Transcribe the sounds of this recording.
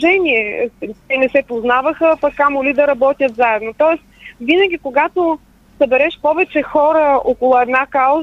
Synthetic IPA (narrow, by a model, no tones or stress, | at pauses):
ʒɛnʲiɛt̪ɛnɛsɛpoznavəxəpɐkːamolid̪ɐɾɐbɔt̪ʲjət̪zaɛd̪not̪ɔɛs | vinəɡʲikoɡat̪o | sɐbɛɾɛʃpɔvɛt͡ʃɛxɔɾəɔkolˠʊɛd̪nakaʊz